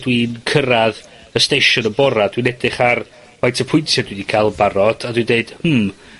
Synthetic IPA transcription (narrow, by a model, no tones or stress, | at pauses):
dwinkʰəɾað | əstejʃʊnəbɔɾad̥winɛdɪχar | wajtʰəpʰʊjntʰjadwidikʰalˠbaɾɔd̥adwindeɨd̥m̩